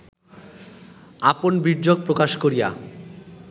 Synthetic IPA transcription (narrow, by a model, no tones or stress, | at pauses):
aponbiɾd͡ʑoɡ̚pɾokaʃkoɾija̰